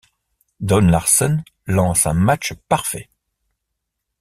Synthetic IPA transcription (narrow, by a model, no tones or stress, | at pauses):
d̪ɔnlaʁsɔn | lɑ̃sɛ̰̃mat͡ʃpaʁfɛ